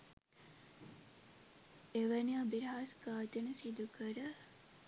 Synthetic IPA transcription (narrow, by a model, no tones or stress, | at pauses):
eʋəniabiɾɦaskaːt̪ənəsid̪ukəɾə